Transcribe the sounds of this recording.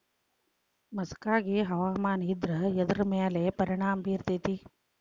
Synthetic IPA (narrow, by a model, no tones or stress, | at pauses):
mɐskaːɡiɦɐʋaːmaːnid̪ɾɐɛd̪ɐɾɐmeːlepɐɾiɳaːmbiːɾt̪it̪i